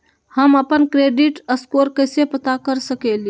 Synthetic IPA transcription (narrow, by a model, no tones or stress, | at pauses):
həməpənkɾeːɖiʈəskoːɾkəɪsepət̪akəɾsəkeli